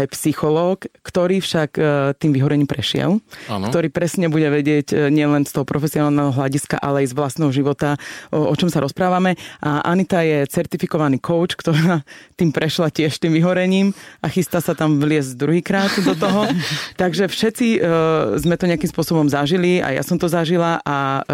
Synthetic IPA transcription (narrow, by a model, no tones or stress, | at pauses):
ajpsixɔlɔːkːt̪ɔɾiːfʃakt̪iːmʋiɦɔɾɛɲiːmpɾɛʃɪɛ̰lankt̪ɔɾiːpɾɛsɲɛbuɟɛʋɛɟɪɛɟɲɪɛlɛnst̪ɔɦɔpɾɔfɛsiɔnaːlˠnɛɦɔɦlaɟiska̰ʔa̰lɛajzʋlast̪nɛɦɔʒiʋɔt̪aɔt͡ʃɔmsaɾʔɔspɾaːʋamɛʔaʔanit̪ajɛt͡sɛɾt̪ifikɔʋaniːkʰɔʊt͡ʃkt̪ɔɾaːt̪iːmpɾɛʃlacɪɛʃt̪iːmʋiɦɔɾɛɲiːmʔaxist̪asat̪amʋlɪɛzd̪ɾuɦiːkɾaːt̪d̪ɔt̪ɔɦɔt̪aɡʒɛfʃɛt͡sizmɛt̪ɔɲɪakimspʊɔsɔbɔmzaʒilia̰ja̰sɔmt̪ɔzaʒilaʔa